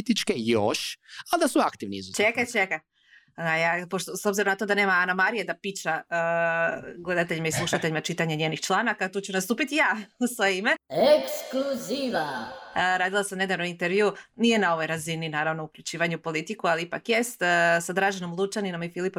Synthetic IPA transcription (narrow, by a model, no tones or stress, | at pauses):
t̪it͡ʃkejoʃald̪asuakt̪iʋniizt͡ʃekat͡ʃeka | ajapoʃt̪oso̞bziɾo̞mnat̪o̞d̪ane̞ːmaanamaɾijed̪apit͡ʃaə | ɡle̞d̪at̪̬eʎimaislˠuʃat̪e̞ʎimat͡ʃit̪aɲeɲeːnixt͡ʃlˠanakat̪uːt͡ɕunast̪uːpit̪ijaːusʋojeime̞ekskluziʋaɾaːd̪ilˠasamne̞d̪aʋnoint̪eɾʋjunije̞nao̞ʋo̞jɾazininaːɾaʋno̞ukʎut͡ɕiːʋaɲeupo̞lit̪ikualiipa̰kje̞st̪sad̪ɾaːʒeno̞mlˠut͡ʃanino̞mifilipo